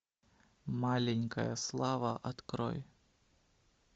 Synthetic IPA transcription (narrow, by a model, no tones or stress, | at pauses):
malʲɪnʲkəjəslˠavɐʔɐt̪kɾo̰j